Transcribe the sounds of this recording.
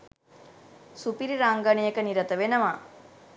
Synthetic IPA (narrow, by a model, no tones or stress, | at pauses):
supiɾiɾaŋɡanijəkəniɾət̪əʋenəʋa